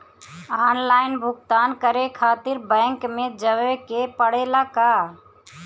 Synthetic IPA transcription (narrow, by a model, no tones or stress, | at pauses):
aːnlaːɪnbʱʊɡ̚t̪aːnkəɾekʰaːt̪ɪɾbɛ̃ːŋkmẽd͡ʒəʋekepəɽeːlaka